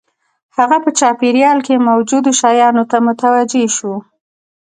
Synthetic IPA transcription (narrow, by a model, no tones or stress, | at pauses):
haɣapət͡ʃɑpeɾjɑlkemawd͡ʒud̪oʃɑjɑnot̪amʊt̪awad͡ʒeʃu